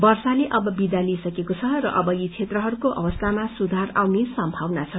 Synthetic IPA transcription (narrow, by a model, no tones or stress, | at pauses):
bʌrsaleʔʌbʌbid̪alisʌkekot͡sʰʌrʌ̰ʔʌbʌjit͡sʰet̪rʌɦʌɾukoʔʌ̰bʌst̪ʰamasud̪ʱarawnesʌmbʱawnat͡sʰʌ